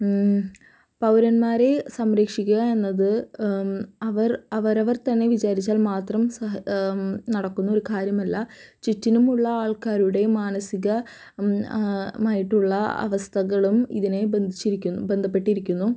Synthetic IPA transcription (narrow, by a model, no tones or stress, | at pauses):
pɐwɾɐnmaːɾe̞sɐmɾeːkʂikʲːuɣɐe̞nːɐðɨ | ɐʋɐrɐʋɐɾɐʋɐrt̪ɐnːe̞ʋid͡ʑaːɾit͡ɕːaːlmaːt̪rɐmsɐ | nɐɽɐkːunːuo̞ɾukaːɾjɐmɐlːɐt͡ɕitːinumuɭːɐaːɭkaːɾuɽe̞maːnɐsiɣɐ | maːjiʈːuɭːɐɐ̰ʋɐst̪ʰɐɣɐɭumḭðine̞bend̪ʱit͡ɕːiɾikʲːube̞nd̪ʱɐpːe̞ʈːiɾikʲːunːu